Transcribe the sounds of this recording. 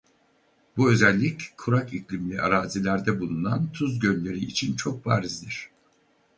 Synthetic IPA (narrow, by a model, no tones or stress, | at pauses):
buø̞zælʲːickʰːuɾakiclʲimlʲiʔa̰ɾaːzilʲæɾd̪ɛbulˠunant̪ʰuzɟø̞nlʲe̞ɾiːt͡ʃʰint͡ʃʰo̞k̚baːɾizd̪iɾ̥